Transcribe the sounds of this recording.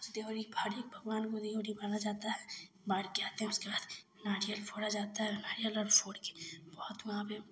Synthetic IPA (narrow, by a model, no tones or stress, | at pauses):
sd̪eoɾibʱaɾik̚bʱəɡʋaːnkod̪eːoɾibaːnad͡ʒaːt̪aɦɛ | baːɾkeaːt̪ẽɦɛ̃ʊskebaːd̪ | naːɽijəlpʰoːɽad͡ʒaːt̪aɦɛnaːɾijəlɔɾpʰoːɽke̥bɔːʊt̪ʋɐɦãpe